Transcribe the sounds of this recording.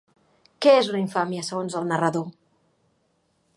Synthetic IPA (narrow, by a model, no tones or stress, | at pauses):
kɛezləiɱfamiəsəɣ̞onzəlˠnərəðo